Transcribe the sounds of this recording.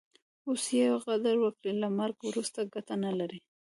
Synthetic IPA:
osjawaɣad̪aɾwəkɽilamaɾɡwɾust̪aɡat̪analaɾi

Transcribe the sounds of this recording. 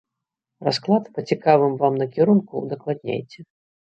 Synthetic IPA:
rasklˠat̪pɐt͡sʲikavɨmvamnɐkʲiɾunkud̪ɐklˠad̪ʲnʲa̰jt͡sʲɛ

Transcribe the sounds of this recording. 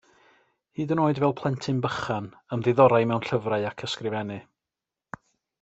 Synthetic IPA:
hiːdənoːɨdvɛlˠpʰlˠɛntʰɨnbəχan | əmðɪðɔɾajmɛwnɬəvraɨakʰəskrɪvɛnɨ

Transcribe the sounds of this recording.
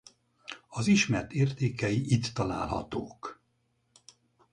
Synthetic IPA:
ɒziʃmɛrt̪eːrt̪eːkɛjiʔit̪ːɒla̰ːlɦɒ̰t̪oːk

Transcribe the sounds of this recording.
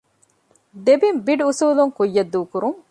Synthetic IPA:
d̪ebimbiɖusuːluŋkujːɐd̪ːuːkuɾuŋ

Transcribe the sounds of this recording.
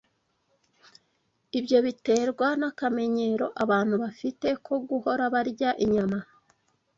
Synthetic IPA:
ibjo̞βite̞ːɾɡwanakame̞ɲe̞ɾo̞ʔaβaːn̥huβafite̞kʰo̞ɡuho̞ɾaβaɾɟaʔiɲama

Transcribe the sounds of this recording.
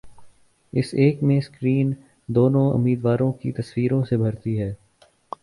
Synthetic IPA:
ɪseːkmẽskɾiːn | d̪oːnõʊ̰miːd̪ʋaːɾõkit̪ɐswiːɾõsebʱɐɾt̪iɦɛː

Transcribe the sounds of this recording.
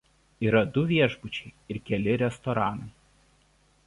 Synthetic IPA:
iːɾɐd̪ʊʋʲiɛʒbʊt͡ʃʲɛɪɪɾkʲɛlʲɪɾʲɛst̪ɔɾɑːnɐɪ

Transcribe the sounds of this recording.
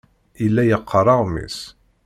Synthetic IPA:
ilːæjəqʰːərˤɑʁmḭs

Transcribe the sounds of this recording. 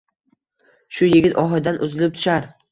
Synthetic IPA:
ʃʊjɪɡʲɪt̪ʰɒɦɪd̪anʔʊzɪlɪp̚t̪ʰʊ̥ʃaɾ

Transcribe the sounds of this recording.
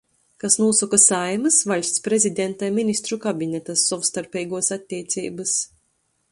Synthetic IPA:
kasnuɔsɔkasajmɨsvalʲsʲt̪spɾezʲid̪ʲɛnt̪ajminʲist̪ɾukabʲinʲɛt̪asːɔvst̪aɾpʲɛjɡuɔsat̪ʲːiɛt̪sʲḭːbɨs

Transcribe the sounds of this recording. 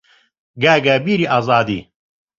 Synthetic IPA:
ɡæːɡabiːɾiːʔɑːzɑːd̪ḭː

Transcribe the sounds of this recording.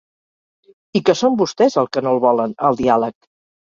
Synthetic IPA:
ikəsombust̪ɛzəlˠkənolˠβɔlənəlˠd̪ialək̚

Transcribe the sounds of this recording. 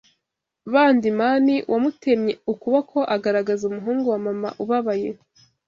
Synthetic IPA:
βaːndimaniwʔamute̞mɲe̞ukuβakʰo̞ʔaɡaɾaɡazumuɦuːŋɡuwamama̰ʔuβaβaje̞

